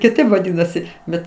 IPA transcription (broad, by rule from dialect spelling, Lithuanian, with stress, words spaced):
kʲɪˈtɐɪp ʋɐˈdʲɪnɐsʲɪ ˈbʲɛt